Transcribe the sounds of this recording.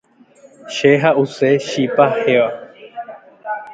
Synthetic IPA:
ʃeɦaʔuseʃipaheʋa

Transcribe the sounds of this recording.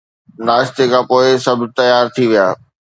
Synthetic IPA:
naːst̪ekʰãːpoːɪsɐbʱt̪ɐjaːɾt̪ʰiʋijaː

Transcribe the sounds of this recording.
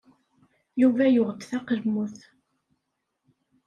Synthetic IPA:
juvæjʊʁd̪θæqəlmːuθ

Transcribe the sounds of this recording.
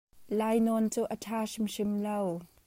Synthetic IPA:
laːjnɔnt͡suːʔətʰaːʂɪmʃɪmlow

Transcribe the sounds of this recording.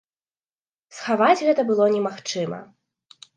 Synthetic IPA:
sxavad͡zʲɣɛt̪ɐbɨlˠɔnʲɛmaxt͡ʂɨmɐ̰

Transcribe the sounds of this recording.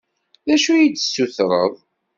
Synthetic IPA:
ðæʃujit͡sːsːuθɾˤəðˤ

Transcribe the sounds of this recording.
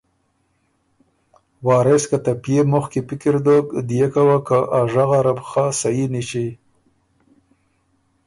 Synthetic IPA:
wɑːɾeskat̪apjemʊxkipɪkiɾd̪okd̪ijekawakaʔaʐaɣaɾabxasajinit͡ʃi

